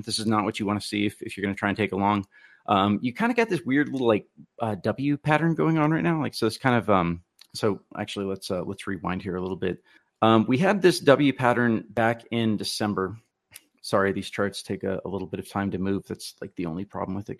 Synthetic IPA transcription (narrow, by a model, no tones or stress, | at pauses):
ðɪsɨznət̚wʌt͡ʃɨwɑ̃nɨsiɨfɨfjə˞ɡʌñɨtʰaɪɨ̃ntʰeɪkəlɔ̃ŋ | ʔʌ̃mjɨkʰãɪ̃ndɨɡɑt̪̚ðɪswɪɹdˡlɪɾl̩ˠlaɪk̚ʔʌdʌbl̩ˠjʉpʰæɾə̃˞nɡoʊɪ̃ŋə̃nɹaɪtⁿnaʊlaɪksoʊɨtskʰãɪ̃ndʌvʌ̃m | soʊʔæ̰k̚t͡ʃʉl̩ˠilətsʌlɛ̰tsɹiwã̰ɪ̃nd̚hiɹəlɪɾl̩ˠbɪt̚ | ʌ̃mwiɨd̪̚ðɪsd̥ʌbl̩ˠjʉpʰæɾə̃˞nbækɪ̃ndɨsɛ̃mbə˞ | sɑɹiðiz̥t͡ʃʰɑɹtstʰeɪkɨ̰ə̰lɪɾl̩ˠbɪɾʌv̥tʰãɪ̃mtɨmʉvðætslaɪk̚ðiõʊ̃nlipʰɹ̥ɑ̰bl̩m̩wɨðɨ̰t̚